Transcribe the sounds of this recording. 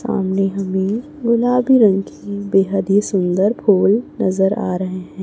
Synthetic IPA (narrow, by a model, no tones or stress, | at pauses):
sa̰ːmneɦɐmẽ | ɡʊlaːbiɾɐ̃ŋkibeːɦəd̪ɦisʊ̃nd̪əɾpʰoːlnɐzəɾa̰ːɾɐɦeɦɛ̃ː